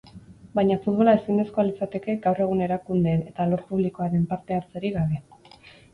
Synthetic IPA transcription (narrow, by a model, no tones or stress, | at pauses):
bajɲafut̪β̞o̞lae̞sind̪e̞sko̞alit͡sat̪e̞ke̞ɡawre̞ɣ̞une̞ɾakund̪eet̪alo̞ɾpuβ̞liko̞aɾe̞mpaɾt̪e̞aɾt͡seɾiɣaβe̞